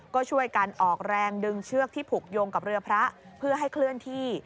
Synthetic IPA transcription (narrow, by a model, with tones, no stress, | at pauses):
kɔː˥˩t͡ɕʰu˥˩əjkaː˧nʔɔː˨˩k̚ɾɛː˧ŋdɯ˧ŋt͡ɕʰɯ˥˩ək̚t̪ʰiː˥˩pʰuː˨˩k̚jo˧ŋka˨˩p̚ɾɯ˧ɐpʰɾa˦˥ʔpʰɯ˥˩ɐɦa˥˩jkʰlɯ˥˩ənt̪ʰiː˥˩